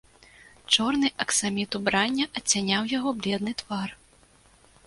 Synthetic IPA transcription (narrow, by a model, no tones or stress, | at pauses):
t͡ʂɔrnɨʔɐksamʲit̪ubɾanʲːɐʔɐt͡sʲːanʲawjaɣɔblʲɛd̪nɨt̪var